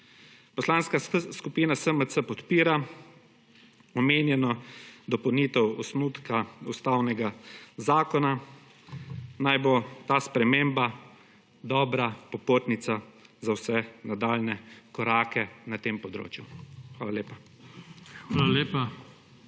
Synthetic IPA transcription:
pɔslaːnskaskupiːnasəməsəpɔt̪piːɾa | ɔmeːnjɛnɔd̪ɔpɐwniːt̪ɛwɔsnuːt̪kaust̪awnɛɡazaːkɔna | najbot̪aːspɾɛmemba | d̪ɔːbɾapɔpot̪nit̪sazawsɛnad̪aːlnɛkɔɾaːkɛnat̪eːmpɔd̪ɾo̰ːt͡ʃjuxʋaːlaleːpa | xaːlaleːpa

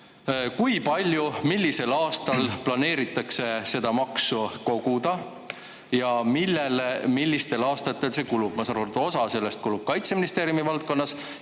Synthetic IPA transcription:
kujpɑlʲjumilʲːise̞lɑːst̪ɑlplɑne̞ːɾit̪ːˑɑkse̞se̞d̪̥ɑmɑksuko̞ɡ̥ud̪̥ɑ | jɑmilːelemilʲːist̪e̞lɑːst̪ɑt̪ːˑe̞lse̞kulub̥mɑsɑɾolt̪o̞sɑse̞lːe̞st̪̚kulub̥̚kɑjt̪se̞minist̪e̞ːɾjumivɑlt̪̚ko̞nːɑs

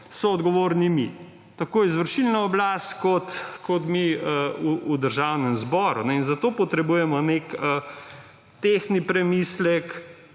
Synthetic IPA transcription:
sɔːd̪ɡɔʋoːɾnimi | t̪akoːizʋəɾʃilnaɔblaːst̪kɔt̪kɔt̪miəuud̪əɾʒawnɛmzbɔɾunɛinzat̪oːpɔt̪ɾɛbujɛmɔnekə | t̪exnipɾɛmislɛk

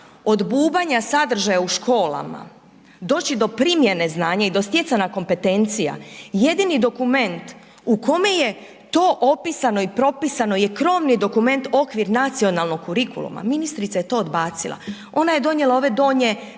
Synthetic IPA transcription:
o̞d̪buːbaɲasad̪r̩ʒajauʃkʰo̞ːla̰ma̰ | d̪o̞ːt͡ɕid̪o̞pɾimje̞ne̞znaːɲaid̪o̞st̪je̞t̪sanako̞mpe̞t̪e̞nt̪sija̰je̞d̪inid̪o̞kume̞nt̪ | uko̞me̞je̞ | t̪o̞ːʔopisano̞ipɾo̞pisano̞je̞kɾo̞ːʋnid̪o̞kume̞nt̪o̞kʋiɾnat̪sio̞nalˠno̞ɡkːuɾikṵlṵma̰minist̪ɾit̪sajt̪o̞ːd̪baːt̪silˠa̰ | o̞naje̞d̪o̞ɲje̞lˠao̞ːʋe̞d̪o̞ːɲe̞

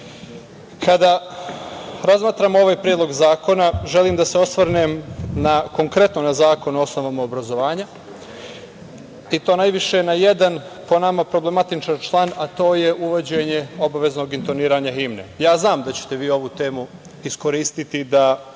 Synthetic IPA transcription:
kʰad̪a | ɾazmaːt̪ɾaːmo̞ʋaːjpɾʲjed̪lˠo̞ɡzaːko̞naʒe̞liːmd̪aseo̞sʋɾnemnako̞ŋkɾe̞t̪no̞nazaːko̞noo̞sno̞ʋamaobɾazo̞ʋaːɲa | it̪oːnajʋiʃe̞naje̞d̪an | po̞namapɾo̞ble̞mat̪it͡ʃant͡ʃlˠanat̪o̞ːje̞ʔuʋod͡ʑe̞ɲeo̞baʋe̞zno̞ːɡint̪o̞niːɾaːɲaɦimnḛjaːznaːmd̪at͡ɕe̥t̪e̞ʋiːo̞ʋut̪e̞ːmu | isko̞ɾiːst̪it̪id̪a

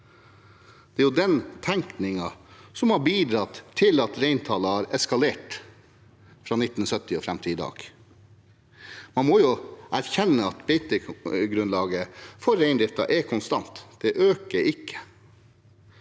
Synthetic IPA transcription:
d̪̥ɛæɾjʊd̪ɛnt̪ʰæŋknɪŋɑsɔmhɑbiːd̪ɾɑt̪ʰːɪlɑt̪ɾeɪnt̪ʰɑːlɑhɑːɾɛskɑleːʈ | fɾɑːnɪt̪ːn̩sœt̪ɪɔfɾæmt̪ʰɪɪd̪ɑ̰ːɡ̥ | mɑnmoːjʊæɾçɛnːəɑt̪bɛɪt̪ɪɡɾʉnlɑːɡəfɔɾæɪnd̪ɾɪft̪ɑ̰ʔɛkʰɔnst̪ɑnt̪d̪̥ɛʔøːkəɾɪkʰːə̥

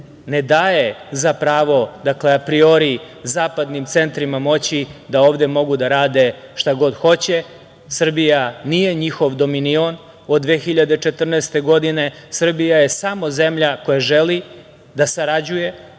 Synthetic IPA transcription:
ne̞d̪aːjezapɾaːʋo̞d̪akle̞apɾio̞ɾi | zaːpad̪nimt̪se̞nt̪ɾimamo̞t͡ɕid̪ao̞ːʋd̪e̞mo̞ɡud̪aɾaːd̪e̞ʃt̪aɡo̞d̪xo̞t͡ɕe | sr̩bijanije̞ɲixoʋd̪o̞minio̞n | od̪ːʋeːxiʎad̪et͡ʃe̞t̪r̩neːst̪e̞ɡo̞d̪ine̞sr̩bijaje̞samo̞ze̞mʎako̞jaʒeli | d̪asaɾad͡ʑuje̞

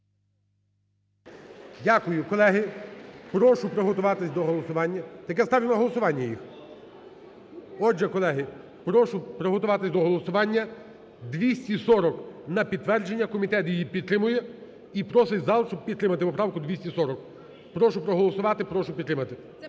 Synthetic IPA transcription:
dʲakʊjʊkɔlˠɛɦɪpɾɔʃʊpɾɔɦɔt̪ʊʋɑt̪ɪsʲd̪ɔɦɔlˠɔsʊʋɑnʲːɐt̪ɐk̬ɛst̪ɑʋʲilˠɐɦɔlˠɔsʊʋɑnʲːɐjix | ɔd͡ʒɛkɔlˠɛɦɪ | pɾɔʃʊpɾɔɦɔt̪ʊʋɑt̪ɪsʲd̪ɔɦɔlˠɔsʊʋɑnʲːɐ | d̪ʋʲisʲtʲisɔɾɔknɐpʲid̪̚ʋɛrd͡ʒenʲːɐkɔmʲit̪ɛt̪jijipʲid̪t̪ːɾɪmʊjɛ | ipɾɔsɪjʲzɑlˠsʊp̚pʲid̪ɾɪmɐt̪ɪɔpɾɑʋkʊd̪ʋʲisʲisɔɾɔk | pɾɔʃʊpɾɔɦɔlˠɔsʊʋɑt̪ɪpɾɔʃʊpʲid̪t̪ːɾɪmɐt̪ɪ

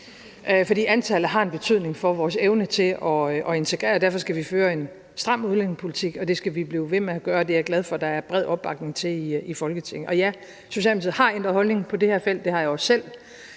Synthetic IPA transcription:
fɒdḭːænt͡sʰælð̩ˠɦɑ̈e̝nb̥e̝t͡sʰy̰ð̞̰ˠne̝ŋfɒ̽ʋɒːseʊnət͡sʰe̝lʔɒ̽ʔɒ̽e̝nt͡sʰe̝ɡ̥ʁɛ̰ːɐd̥æɐfɒ̽sɡ̥æʋiføːɐe̝n | sd̥ʁɑ̈muð̞ˠlenŋpʰo̝lit͡sʰiɡ̥ɒ̽d̥e̝sɡ̥æʋib̥liːʊʋe̝meæɡ̥ɶːɐd̥e̝æɐɡ̥læð̞ˠfɒ̽d̥ɑ̈æɐb̥ʁɛðˠɒ̽b̥ːɑ̈ɡ̥ne̝ŋt͡sʰe̝iifɒ̽lɡ̥ət͡sʰe̝ŋ̰n̩ʔɒ̽jæ | so̝ɕɛːlmisið̩̰ˠhɑ̈end̥ʁɐhɒ̽lne̝ŋpʰɒ̽de̝heɐ̰fel̰d̥ːe̝hɑ̈jɑɒsːel̰

